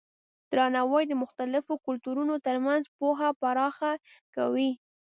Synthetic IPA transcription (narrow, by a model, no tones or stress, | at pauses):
d̪̥ɾɑnawajd̪əmʊxt̪alɪfokʊlt̪uɾunot̪əɾmanzpoɦapaɾɑxa | ka̰wi